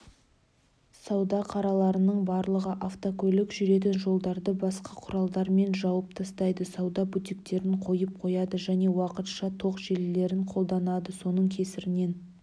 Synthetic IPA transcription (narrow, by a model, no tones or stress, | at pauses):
sɑwd̪ɑqʰɑɾɑlˠɑɾənəɴbɑɾlˠəʁəʔaft̪okʲʰɵlɪkʒʏɾe̞t̪̬ɪnʒo̞lˠd̪ɑɾd̪əbɑsqɑqʰʊɾɑlˠd̪ɑɾme̞nʒɑwəp̚t̪ʰɑst̪ɑjd̪əsɑwd̪ɑbut̪ik̚t̪e̞ɾɪɴqʰo̞jəp̚qʰo̞jɑd̪əʒæne̞wɑqət̪ʃɑt̪ʰo̞qʒelle̞ɾɪɴqʰo̞lˠd̪ɑnɑd̪əso̞nəɴkʲʰe̞sɪɾɪne̞n